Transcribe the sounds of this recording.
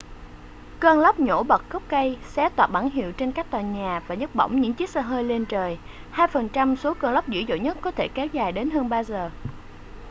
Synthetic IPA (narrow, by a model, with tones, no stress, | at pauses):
kəː˧nlə˦˥wk͡p̚ɲo̰˧˥ɓə˨˩t̚xə˦˥k͡p̚kə˧jsɛ˨˦˥t̪waː˨˩ɓa˧˩ŋɦḭ˧˨wt͡ɕe˧nkaː˦˥k̚t̪waː˨˩ɲaː˨˩vaː˨˩ɲə˦˥t̚ɓə̰˧˨wŋ͡mɲɨ̰˧˥ŋt͡ɕi˦˥k̚səː˧ɦəː˧jle˧nt͡ɕəː˨˩j | haː˧jfə˨˩nt͡ɕa˧mso˨˦kəː˧nlə˦˥wk͡p̚zɨ̰˧˥zo̰˧˨ɲə˦˥t̚kɔ˨˦t̪ʰe˧˩kɛ˨˦wzaː˨˩jɗe˨˦nɦəː˧nɓaː˧zəː˨˩